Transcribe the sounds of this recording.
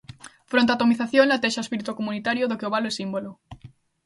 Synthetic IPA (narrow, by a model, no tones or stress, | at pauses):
fɾõnt̪at̪omiθaθjõŋlat̪eʃaespiɾit̪ukomunit̪aɾjoðokeoβaloɛsimbolo